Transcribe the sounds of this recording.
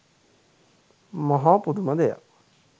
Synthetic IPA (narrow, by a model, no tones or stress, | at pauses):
mɐɦapud̪umɐd̪eja̰